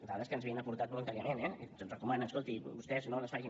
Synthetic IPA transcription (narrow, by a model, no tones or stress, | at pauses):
d̪əaðəskənzβiənəpuɾt̪at̪̚bulunt̪aɾiəmenɛzənzrəkumanəəskolˠt̪ibust̪ɛznonəsfaʒi